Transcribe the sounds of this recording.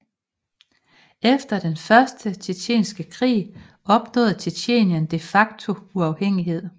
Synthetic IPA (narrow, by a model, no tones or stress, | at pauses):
efd̥ɐd̥enfɶɐsd̥ət͡sʰet͡ɕʰḛːnsɡ̥əkʰʁḭː | ɒ̽b̥nɔ̰̽ːð̩ˠt͡sʰeɕʰe̝̰ːnjænd̥e̝fɑ̈ɡ̥t͡sʰo̝uɑ̈ʊheŋ̰iɦe̝ð̞̰ˠ